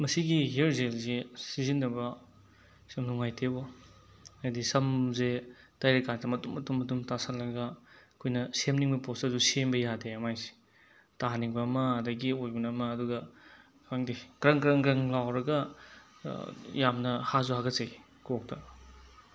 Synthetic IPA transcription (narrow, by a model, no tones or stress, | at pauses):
mɐsiɡiɦeɾzelzesizinːɐbɐ | sɐmnuŋajtʰebo | ajdisɐmze | tajɾekantɐmɐtumɐtumɐtumtasʰɐlːɐɡɐkʰojnɐsemniŋbɐpostɐdusembɐjadeɐmajsi̥ | taɦaniŋbɐmɐɐdɐɡiojbɐnɐmɐːduɡɐ | kaŋdikɾɐŋɡɾɐŋɡɾɐŋlawɾɐɡɐ | jamnɐhazuhaɡɐtsej | kʰok̚tɐ